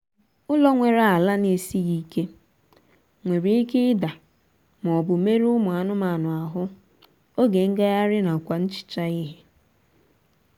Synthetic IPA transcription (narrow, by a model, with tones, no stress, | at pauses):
ʊ˦lɔ˦ŋʷe˨ɾa˨a˨la˦ne˨si˦ɣi˦ke˦ | ŋʷe˨ɾi˨˦i˦ke˦ɪ˦da˨ | m˨ɔ˨bʊ˨me˦ɾʊ˦mʊ˨a˨nʊ˦ma˨nʊ˨a˨ɦʊ˦ | o˦ɡe˨ŋ̩˦ɡa˦ja˦ɾɪ˦na˨kʷa˨n̩˦t͡ʃɪ̥˨t͡ʃa˦i˦ɦe˨